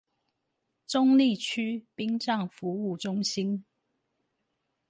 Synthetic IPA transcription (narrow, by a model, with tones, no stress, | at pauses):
ʈ͡ʂʊ˥ŋli˥˨t͡ɕʰy˥pi˥ŋʈ͡ʂɑ˥˨ŋfu˨˦u˥˨ʈ͡ʂʊ˥ŋɕi˥n